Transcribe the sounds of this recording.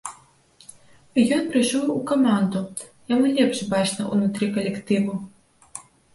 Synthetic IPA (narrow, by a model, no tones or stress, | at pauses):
jɔnpɾɨʂɔwukamand̪ujamulʲɛpʂbat͡ʂnɐṵnut̪ɾɨkɐlʲɛkt̪ɨvu